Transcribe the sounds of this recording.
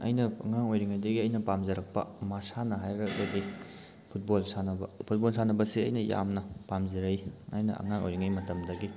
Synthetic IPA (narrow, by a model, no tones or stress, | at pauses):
ɐ̰jnɐɐŋaŋojɾiŋajdɐɡiɐjnɐpamzɐɾɐk̚pɐ̰masanɐɦajɾɐbɐdi | pʰut̚bolsanɐbɐpʰut̚bolsanɐbɐsiɐ̰jnɐja̰mnɐpamziɾɐjɐ̰jnɐ̰ʔɐ̰ŋaŋʔo̰jɾiŋajmɐtɐmdɐɡi